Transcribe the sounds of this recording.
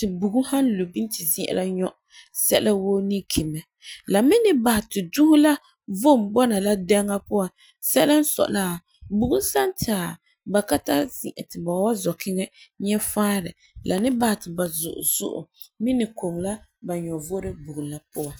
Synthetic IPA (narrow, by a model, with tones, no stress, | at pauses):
tɪ˨bu˨ɡu˦ha˦nlo˨bi˦n˦tɪ˨zi˦ʔɛ̰˨la˦ɲɔ˦ʔ | sɛ˦la˦woː˦ni˦kʰi˨mɛ˨ | la˨mɪ˦nɪ˦ba˨hɪ˨tɪ˨du˦hʊ˦la˦ | vo˦˨m˨bɔ˦na˨la˦dɛ˦ŋa˦pʊ˦wa˨ | sɛ˦la˦n̩˦sɔ̰˨la˦˨ | bu˨ɡʊ˦n˦sa˦ntɪ˨a˨ | ba˨ka˦ta˦zḭ˨ʔɛ̰˨tɪ˨ba˨˦wa˦zɔ˨kʰɪ˦ŋɛ˦ɲɛ˦faː˦ɾɛ̰˨ | lʔa˨nɪ˦ba˨hɪ˨tɪ˨ba˨zʊ̰˨ʔʊ̰˨zʊ̰˦ʔʊ̰˨ | mɪ˦nɪ˨ko˨ŋla˦ba˨ɲɔ˨vo˦ɾɨ˦bu˨ɡu˨la˦pʊ˦a˨